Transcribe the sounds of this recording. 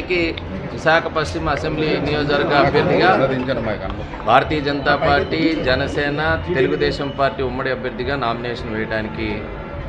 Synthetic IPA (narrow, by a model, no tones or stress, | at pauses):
iki | ʋiʃaːkʰɐpɐst͡ʃimɐsembliːnijoːd͡ʒɐɾɡaɐbʱjɐɾd̪ʱiɡaː | bʱaːɾɐt̪iːjɐd͡ʒɐnt̪aːpaːɾʈːid͡ʒɛnɐsɛːnɐt̪e̞luɡud̪ɛːʃɐmpaːɾʈiːumːɐɽiɐbʱjɐɾd̪ʱːiɡaːnaːminɛːʂɐnʋɛːjɐɽaːniki